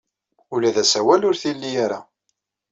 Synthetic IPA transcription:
ʊlæðæsæwælʊɾθilːijaɾa̰

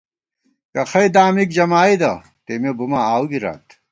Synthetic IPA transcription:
kɐxɐjd̪aːmik̚d͡ʑɐmaːid̪ɐ | t̪emebumaaːwɡiɾa̰ːt̪

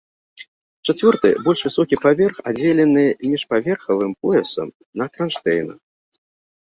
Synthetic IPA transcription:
t͡ʂat͡sʲvʲɔrt̪ɨ̰bɔlʲʂvʲɨsɔkʲipavʲɛrxa̰d͡zʲelʲɛnɨmʲiʂpavʲɛrxɐvɨmpɔjɛsɐ̰m | nɐkɾanʂt̪ɛjnɐ

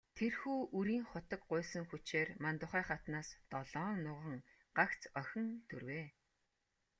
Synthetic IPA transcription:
t̪ʰerxuːuɾiːŋχʊt̪ə̆k̚ɢʊːsə̆ŋxut͡ɕeːrmant̪ʊχæːχat̪naːst̪ɔɮɔːnʊʁə̆ŋ | ɢ̥akt͡sœxʲɪ̆nt̪ʰɵrweː

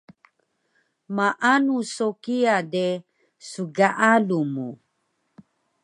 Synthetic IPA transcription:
maʔanusokiade | suɡaʔalumu

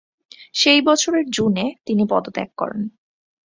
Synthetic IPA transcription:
ʃejbɔt͡ɕʰoɾeɾd͡ʑunet̪inipɔd̪ot̪ɛ̰kːɔ̰ɾḛn

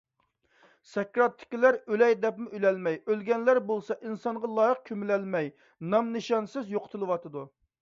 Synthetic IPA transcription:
sɛkʲɾɑt̪ʰːɪ̥kʲilæɾølɛjd̪ɛpmɪʔylɛlmɛjølɡʲɛnlæɾbolˠsɑʔinsɑɴʁɑlˠɑːjəq̚kʲʰømɪlɛlmɛj | nɑmnɨʃɑnsɪzjoqʰə̥t̪ʰɨlˠɨwɑt̪ʰɨd̪u

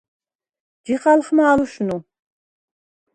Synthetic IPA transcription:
d͡ʒiχalχmɐaːluʃnu

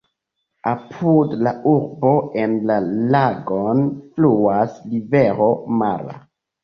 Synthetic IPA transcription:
apʰudlauɾbo̞e̞nlalaɡonfluasliveɾo̞ma̰ɾa̰

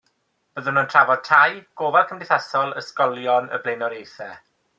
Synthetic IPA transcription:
b̥əðənəntʰravɔd̚tʰajɡ̥oːvarkʰəmndɪθasɔlˠəskɔlˠjɔnə̰blejnɔɾejθɛ

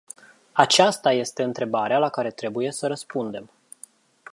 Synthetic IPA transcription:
at͡ʃast̪aje̞st̪e̞ɨnt̪ɾe̞baɾealakaɾe̞t̪ɾe̞buje̞səɾəspund̪e̞m

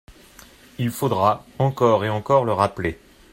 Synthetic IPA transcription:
ilfod̪ʁaɑ̃kɔʁeɑ̃kɔʁləʁaple

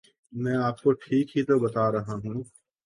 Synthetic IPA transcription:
mɛ̃ːaːp̚koʈʰiːkɦit̪obɐt̪aɾɐɦaɦũː

